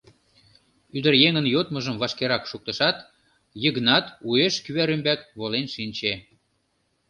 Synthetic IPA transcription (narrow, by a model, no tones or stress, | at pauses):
yd̪ərjeŋənjot̪məʒəmβɑʃkeɾɑkʃuk̚t̪ə̆ʃɑt̪ | jəɣnɑt̪ueʃkyβæɾymbækβolenʃinʲt͡ɕe